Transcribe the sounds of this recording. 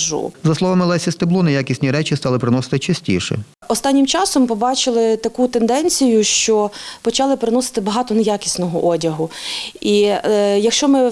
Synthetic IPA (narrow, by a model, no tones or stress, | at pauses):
ʒṵzɐslˠɔʋɐmɪlˠɛsʲist̪ɪblˠunɐjakʲisʲnʲiɾɛt͡ʃist̪ɑlˠɪpɾɪnɔsɪ̥t̪ɪt͡ʃɐsʲtʲḭʃɛ̰ | ɔst̪ɑnʲːimt͡ʃɑsɔmpɔbɑt͡ʃɪlˠɪt̪ɐkut̪end̪ɛnʲt͡sʲijʊʃt͡ʃɔpɔt͡ʃɑlˠɪpɾɪnɔsɪ̥t̪ɪbɐɦɑt̪ɔnɐjakʲisʲnɔɦɔʔɔdʲɐɦʊijɐkʃt͡ʃɔmɪ